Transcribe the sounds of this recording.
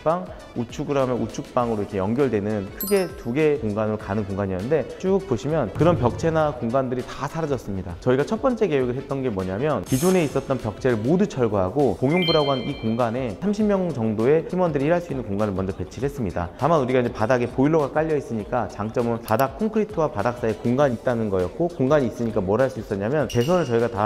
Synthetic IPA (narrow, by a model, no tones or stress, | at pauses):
p͈aŋ | ut͡ɕʰuɡɯɾameut͡ɕʰuk̚p͈aŋɯɾoikʰe̞jʌŋɡjʌɭdwe̞nɯnkʰɯɡe̞tuɡe̞koŋɡanɯɾokanɯnkoŋɡaɲiʌnɯnde̞t͡ɕuuk̚poɕʰimjʌnkɯɾʌnpjʌk̚t͡ɕʰe̞nakoŋɡandɯɾitasʰaɾad͡ʑʌs͈ɯmɲida̰t͡ɕʌiɡat͡ɕʰʌt̚p͈ʌnt͡ɕ͈e̞ke̞we̞ɡɯɭɦet̚t͈ʌnɡe̞mwʌɲamjʌnkid͡ʑone̞is͈ʌt̚t͈ʌnpjʌk̚t͡ɕʰe̞ɾɯɭmodut͡ɕʰʌɭɡaɦaɡokoŋjoŋbuɾaɡoɦannikoŋɡane̞sʰamɕʰimːjʌŋt͡ɕʌŋdoe̞himwʌndɯɾiiɾɦaɭs͈uinːɯnkoŋɡanɯɭmʌnd͡ʑʌpe̞t͡ɕʰiɾɯɭɦes͈ɯmɲida̰tamanuɾiɡaiɲd͡ʑe̞padaɡe̞poiɭːoɡak͈aʎːʌis͈ɯɲik͈at͡ɕaŋt͡ɕ͈ʌmɯɾopadak̚kʰoŋkʰɯɾitʰowapadak̚s͈ae̞koŋɡaɲit̚t͈anɯnɡʌjʌt̚k͈okoŋɡaɲiːs͈ɯɲik͈amwʌɾɦaɭs͈uis͈ʌɲamjʌnpe̞s̬ʰʌnɯɭt͡ɕʌiɡata